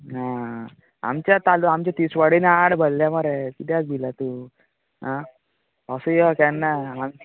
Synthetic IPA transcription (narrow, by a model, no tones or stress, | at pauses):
ɦã | a̰mt͡ɕjat̪aluamt͡ɕat̪isʋəɽinaɽbʱəlːjamaɾekit̪jak̚d̪ilat̪u | ɦã | əsujɔkɛnːaam